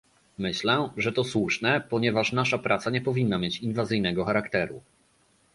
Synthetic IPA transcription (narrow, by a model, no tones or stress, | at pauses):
mɘɕlɛʐɛt̪ɔswuʂnɛpɔɲɛvaʂnaʂapɾʔat̪saɲɛpɔvʲinːamʲjet͡ɕinvazɘjnɛɡɔxaɾakt̪ɛɾṵ